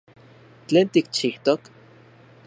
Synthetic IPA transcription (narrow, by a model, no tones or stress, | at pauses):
t͡ɬeːnt̪ikt͡ʃiht̪ok